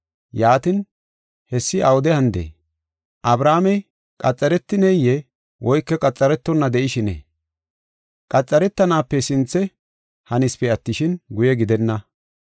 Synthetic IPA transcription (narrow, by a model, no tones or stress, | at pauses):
jaːt̪ɪn | hɛsːɪʔawʊd̪ɛhɐnd̪ḛː | ʔɐbɾaːmɛj | kʼɐt͡sʼːɐɾɛt̪ːɪnɛjɛ | wʔɔjkːɛkʼɐt͡sʼːɐɾɛt̪ːɔnːɐd̪ɛʔɪʃɪnḛː | kʼɐt͡sʼːɐɾɛt̪ːɐnaːpːɛsɪnt͡sːɛ | hɐnɪspɛɐt̪ːɪʃɪnɡʊjɛɡɪd̪ɛnːɐ